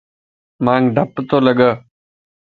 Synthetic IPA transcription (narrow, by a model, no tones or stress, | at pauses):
mãːŋɡɖʱəpt̪oːləɠəː